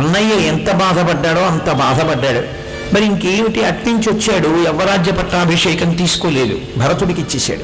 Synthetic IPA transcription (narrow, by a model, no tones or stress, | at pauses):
ɐnːɐjeːɛnt̪ɐbaːd̪ʱɐpɐɖːaːɽo̞ːɐnt̪ɐbaːd̪ʱɐpɐɖːaːɽu | mɐɾiiŋkeːmiʈiɐʈniɲt͡ʃiʋɐt͡ʃːaːɽuɛʋɐɾaːd͡ʒjɐpɐʈːaːbʱiʂɛjɐkɐnt̪iːsu̥koːleːd̪ṵbʱɐɾɐt̪uɽikit͡ʃːeːsa̰ːɽu